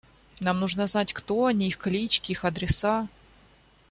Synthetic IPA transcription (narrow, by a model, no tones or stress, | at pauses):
namnuʐnəznatʲkt̪oɐnʲiixklʲit͡ɕkʲɪixɐd̪ɾʲɪsa